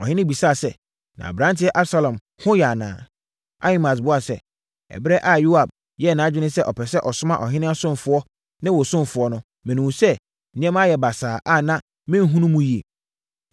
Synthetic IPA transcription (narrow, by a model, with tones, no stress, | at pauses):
ɔ˨hɪ̃˦nɪ̃˦bi˨sa˦˨sɛ˦ | nã̰˨bɾã˦ntʰɪ˦ɛ˦ʔa˦bsa˨lã˨m | hʊ̃˦jɛ˨a˨nã̰ː˨ | a˦i˦ma˨s̬bʊ˦a˨sɛ̰˦ | ɛ̰˨bɪ˦ɾɛ˦ʔa˦˨ju˦a˨b̚ | jɛ˦˨nã˨˦d͡ʑᶣɪ˦nɪ̃˦sɛ˦ʔɔ˨pʰɛ˨sɛ˦ʔɔ˨sʊ˦mã̰˦ʔɔ˨ɦɪ̃˦nɪ̃˦a˦sʊ̃˦m˨fʊ˨ɔ˦ | nɪ̃˦wɔ˨sʊ̃˦m˨fʊ˨ɔ˦nʊ̃˦ | mɪ̃˨nũ˨sɛ̃˦˨˦ | ɛ̃˦ma˦˨jɛ˨ba˨saː˨ʔa˦nã˦ | mɪ̃˦n̩˦ɦũ˦nũ˦mũ˦ji˨e˨